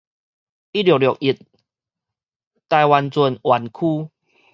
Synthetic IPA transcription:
i˦˥ljɔ˨˩˨ljɔ˨˩k̚i˨˩t̪̚ | t̪a˧jwa˨nt͡su˧˩nwa˨˩nkʰu˦

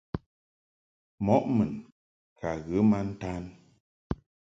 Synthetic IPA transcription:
mɔ˦ʔmɨ˨n | kʰa˨ɣɨ˨˦ma˦n̩˦ta˦n

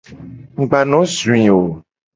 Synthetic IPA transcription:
ŋ̩˨ɡ͡ba˨nɔ̃˨˦zũ˨ĩ˨wo˨

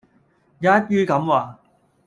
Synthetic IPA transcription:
jaː˨˦˥t̚pyː˥kɐ˨˥mwaː˨˧

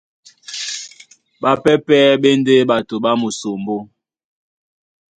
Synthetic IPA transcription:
ɓa˦pɛ˦pɛː˦ɓe˦n˦de˦ɓa˨to˨ɓa˦mu˨so˨mbo˦

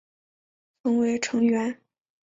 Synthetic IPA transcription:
t͡sɤ˧˥ŋwe˧˥ɪʈ͡ʂʰɤ˧˥ŋɥɛ˧˥n

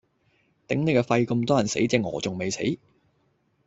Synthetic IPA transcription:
t̪ɪ˨˥ŋne˨˧jkɔː˧fɐ˧jkɵ˧mt̪ɔː˥jɐ˨˩nsḛ˨˥jt͡sɛː˧ŋɔ̰ː˨˩t͡sʊ˨ŋme˨jsḛ˨˥j

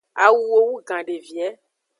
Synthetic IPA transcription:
a̰˨wu˦wo˦wu˦ɡã˨ɖe˨vi˨ɛ˦

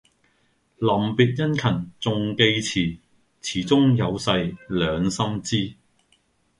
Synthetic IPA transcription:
lɐ˨˩mpiː˨t̚jɐ˥nkʰɐ˨˩nt͡sʊ˨˧ŋke˧jt͡sʰiː˨˩ | t͡sʰiː˨˩t͡sʊ˥ŋjɐ˨˧wsɐ˧jlœː˨˧ŋsɐ˥mt͡siː˥

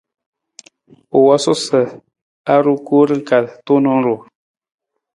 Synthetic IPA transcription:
o˨wa˦sʊ˦sə˨ | a˦ɾu˦ku˦ɾɨ˦ŋ˦ka˨ltu˦nɔ˦ŋ˦ɾu˨

